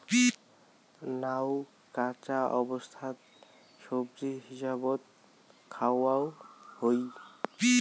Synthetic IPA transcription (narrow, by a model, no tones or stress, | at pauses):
pi | naw | kat͡ʃaʔɔbɔst̪ʰat̪̚ | ʃobɾiɦisabɔt̪̚ | kʰawawhojpi